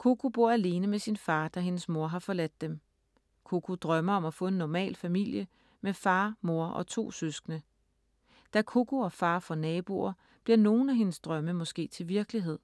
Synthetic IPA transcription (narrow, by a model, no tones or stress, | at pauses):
kʰoɡ̥ʰob̥o̝ɐ̰æle̝ːnəmesinfɑ̈ːd̥æɦe̝nəsmo̝ɐɦɑ̈fɒ̽læd̥ːem | kʰokʰud̥ʁɶmɐɒ̽mæfɔ̽e̝nːɒmɛ̰ːlfæmil̰jə | mefɑ̈ːmo̝ɐʔɒ̽t͡sʰo̝̰ːsøsɡ̥nə | d̥ækʰoɡʰoɒ̽fɑ̈ːfɒ̽nɛːb̥o̝ɐ | b̥liɐ̰no̝ːn̩æɦe̝nəsd̥ʁɶməmɒ̽sɡ̥e̝̰ːt͡sʰe̝lʋiɐɡ̥əliɦe̝ð̰ˠ